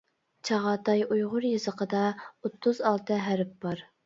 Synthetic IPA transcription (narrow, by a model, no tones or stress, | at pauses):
t͡ʃʰɑʁɑt̪ɑjujʁʊɾjɨzəqʰəd̪ɑot̪ʰːʊzɑlˠt̪ʰɨɦæɾɪp̚bɑɾ